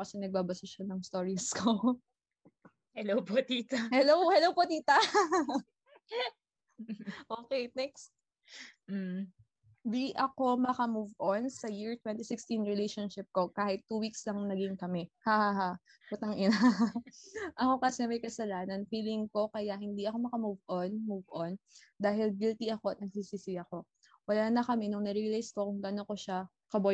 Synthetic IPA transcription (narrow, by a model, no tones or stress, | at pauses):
kɐsɛnɐɡ̚baːbɐsɐʃɐnɐŋst̪oɹiskʰo | hɛlowpot̪iːt̪ɐhɛlowphɛlowpot̪iːt̪ɐ | ʔoːkejnɛkst̪̩̚ | d̪iʔɐko̞mɐkɐmuvʔonsɐjiɹt̪wɛnt̪isɪkst̪inɹɛlejʃonʃɪp̚ko̞kaːhɪt̪ːuːwikslɐŋnɐɡɪŋkɐmɛhaːhaha | pʊt̪ɐŋʔɪna | ʔɐko̞kɐsɛmɐjkɐsɐlaːnɐnfiːlɪŋko̞kɐjahɪnd̪iʔɐko̞mɐkɐmuvʔonmuvʔon | d̪aːɦɪlɡɪlt̪iʔɐko̞ɐt̪̚nɐɡ̚siːsiːsɪɐko̞ | wɐlaːnɐkɐmɛnoŋnɐɾilijskokʊŋɡɐnoko̞ʃa | kɐbo